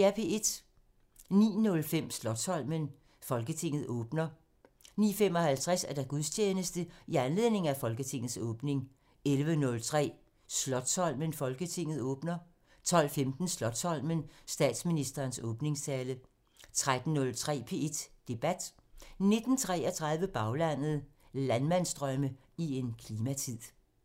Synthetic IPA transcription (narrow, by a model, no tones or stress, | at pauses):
æpʰe̝e̝d̥ | nḭːnɔ̽lfem̰slɒ̽d̥sɒ̽l̰mən | fɒ̽lɡ̥ət͡sʰe̝ŋ̰ð̩ˠɔ̽ːb̥nɐ | nḭːfem̰ɒ̽hælt͡sʰʁasæɐd̥æɡ̥uðˠst͡ɕʰeːnəsd̥əiænle̝ð̰ˠne̝ŋ̩æfɒ̽lɡ̥ət͡sʰe̝ŋ̰ð̩ˠsɔ̽ːb̥ne̝ŋ | elʋənɔ̽lt͡sʰʁɛ̰ː | slɒ̽d̥sɒ̽l̰mənfɒ̽lɡ̥ət͡sʰe̝ŋ̰ð̞̩ˠɔ̽ːb̥nɐ | t͡sʰɒ̽l̰femd̥n̩slɒ̽d̥sɒ̽l̰mənsd̥ɛ̰ːd̥sminisd̥ɐːnsɔ̽ːb̥ne̝ŋst͡sʰɛːlə | t͡sʰʁad̥n̩ːɔ̽lt͡sʰʁɛ̰ːpʰe̝e̝d̥d̥e̝b̥æd̥ | ne̝d̥n̩t͡sʰʁɛ̰ːɐt͡sʰʁɑ̈ðˠʋəb̥ɑ̈ʊlæn̰ð̩ˠ | lænmæn̰sd̥ʁɶmə | ie̝nkʰliːmæt͡sʰið̰ˠ